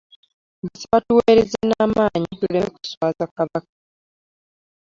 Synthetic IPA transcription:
basaβatuweːɾezenaːmaːɲituleeku̥swaːzakaβakḁ

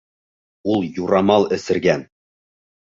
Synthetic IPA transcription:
ulˠjuɾɑmɑlˠɘ̆sɘ̆ɾɡæn

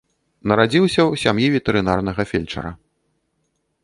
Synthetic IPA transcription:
nɐɾad͡zʲiwsʲɐwsʲamjivʲɛt̪ɛɾɨnarn̪ɐɣɐfʲɛlʲt͡ʂɐ̰ɾɐ̰

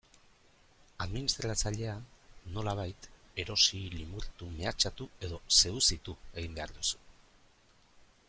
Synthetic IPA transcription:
aðminist̪ɾat͡saʎe̞ano̞laβ̞ajt̪e̞ɾo̞silimuɾt̪ume̞at͡ʃat̪ue̞ðo̞se̞usit̪ue̞ɣ̞imbe̞aɾðusu̥

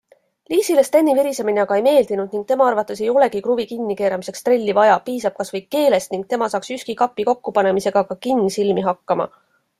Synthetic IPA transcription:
liːsilest̪enːiviɾisemineɑɡ̥ɑe̞jme̞ːld̪inud̪̥niŋɡk̚t̪e̞mɑɑrvɑt̪ːˑe̞se̞jo̞le̞kikruvikinːike̞ːɾɑmise̞kst̪re̞lʲːivɑjɑpiːsɑb̥̚kɑsvɤjɡke̞ːle̞st̪niŋɡ̚t̪e̞mɑsɑːksyskikɑpːˑiko̞kːupɑne̞mise̞ɡ̥ɑkɑkinːisilmiɦɑkːɑmɑ̰

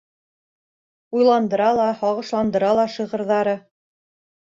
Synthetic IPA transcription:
ujlˠɑnd̪ɤ̆ɾɑlˠɑhɒʁɤ̆ʃlˠɑnd̪ɤ̆ɾɑlˠɑʃiʁɤ̆ɾðɑɾɤ

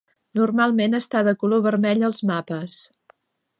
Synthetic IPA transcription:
nurmalˠmenəst̪aðəkuloβərmɛʎəlˠzmapəs

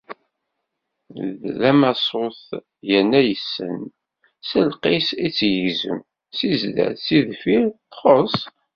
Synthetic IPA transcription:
ðlæmæsˤoθ | jənːæjəsːə̰n | səlqisit͡sːjəʝzə̰m | sizd̪æ̰siðfiɾθχosˤ

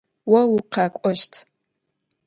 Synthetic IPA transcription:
wɐwuqʰɑːkʷʼɔʃtʰ

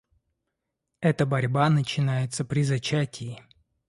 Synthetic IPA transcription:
ɛt̪əbɐɾʲbanət͡ɕɪnajɪt̪səpɾʲɪzɐt͡ɕætʲɪː

